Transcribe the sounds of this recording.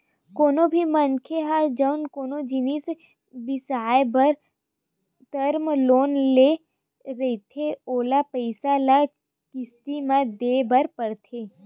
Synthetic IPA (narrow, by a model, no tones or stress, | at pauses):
koːnobʱimənkʰeɦad͡ʒəwnkoːnod͡ʒɪnis | bɪsaːebɐɾ | d̪̥ɐɾmloːnle | ɾet̪ʰeoːlapəɪsala | kɪst̪imãd̪eːbɐɾpɐɾt̪ʰeː